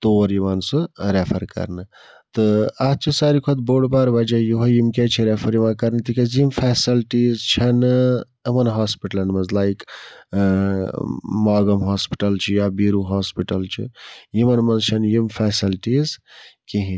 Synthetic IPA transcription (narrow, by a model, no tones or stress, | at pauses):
t̪oːɾjimansɨɾepʰɐɾkɐ̰ɾnɨ | t̪ɨɐt͡ʃʰisaɾikʰɐt̪̚boɖbaɾbɐd͡ʒajuɦojimket͡ʃʰiɾepʰɐɾjimankɐɾnɨt̪ikɐzimfʰɛːsilʈiːzt͡ʃʰɐn | ɐmɐnɦaːspiʈɐlɐnmɐzlajk | maːɡɐmɦaːspi̥ʈɐlt͡ʃʰijabiːɾuɦaːspiʈɐlt͡ʃʰḭjimɐnmɐnzt͡ʃʰɐnjimfʰɛsilʈizkiɦĩ